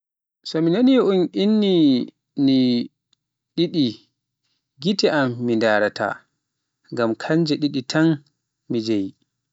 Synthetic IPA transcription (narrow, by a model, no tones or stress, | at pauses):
sɔminaniunʔinːi | ni | ɗiɗi | ɡitɛʔamːindaɾatʰa̰ | ŋɡamkʰaɲd͡ʒɛɗiɗitʰan | mid͡ʒaji